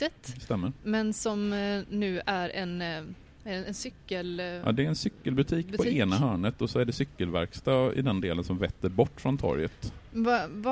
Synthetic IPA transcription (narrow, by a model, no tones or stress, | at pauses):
ɛt̪st̪ɛmːəɾmɛnsɔmnʉ̟ːʔæɾɛn | ɛɛnsʏkːəljʔɑ̰ːd̪ɛːɾɛnsʏkːəlbɵt̪ʰiːkːppʰɔeːnaɦœːɳət̪ɔsɔæɖɛsʏkːəlvæ̰ɾkst̪ɑːɪ̰d̪ɛnd̪eːlənsɔmvɛt̪ːəɾbɔʈːfɾɔnt̪ʰɔ̰ɾjət̪vav